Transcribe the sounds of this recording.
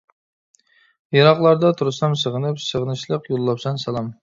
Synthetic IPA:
jɑɾɑχlˠɑɾd̪ɑt̪ʰuɾɨsɑmsəʁənɨpsəʁnɨʃlˠəqjolˠːɑpsɑnsɑlˠɑm

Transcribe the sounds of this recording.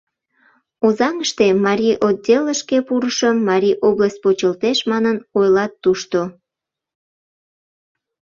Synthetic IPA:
ozɑŋəʃt̪emɑɾʲiʔod̪̚dʲeləʃkepuɾəʃəmːɑɾʲiʔobləsʲt̚ʲpot͡ɕəlt̪eʃmɑnənojlɑt̪ːuʃt̪o

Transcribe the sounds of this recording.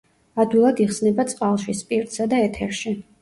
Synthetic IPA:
ad̪wilˠad̪iχsnɛbat̪sʼqʼalˠʃispʼiɾt̪ʼsad̪aɛt̪ʰɛɾʃi

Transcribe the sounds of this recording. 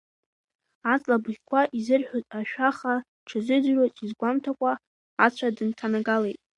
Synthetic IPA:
at͡sʼlabʁʲkʷʰaʔizɨrħʷᶣotʼaʃᶣaχa | ʈ͡ʂʰɨzɨdrazʼizɡʷamtʰakʷʼa | at͡ɕʷʰadɨntʰanaɡalejtʼ

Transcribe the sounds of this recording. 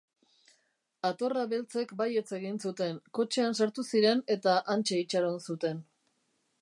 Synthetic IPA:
at̪o̞raβe̞lt͡se̞kbaje̞t͡se̞ɣinsut̪e̞ŋko̞t͡ʃeansaɾt̪usiɾe̞ne̞t̪aʔant͡ʃe̞it͡ʃaɾonsut̪e̞n

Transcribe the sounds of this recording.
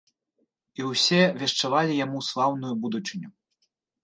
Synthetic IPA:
iwsʲɛvʲɛʂt͡ʂavalʲijamuslˠawnujubud̪ut͡ʂɨnʲu

